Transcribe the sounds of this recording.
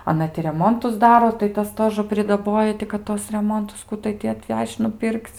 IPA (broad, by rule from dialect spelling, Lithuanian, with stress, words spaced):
ɐˈnɐ tʲɪ rʲɛˈmoːntʊs ˈdɑːroː tɐɪ ˈtɐs ˈtoːʒə pʲrʲɪdɐˈboːjɛ tʲɪ kɐt ˈtuɔs rʲɛˈmoːntʊs ˈkʊ tɐɪ tʲɪ ɐtʲˈʋʲɛʃʲt͡ʃʲ nʊˈpʲɪrkt͡sʲ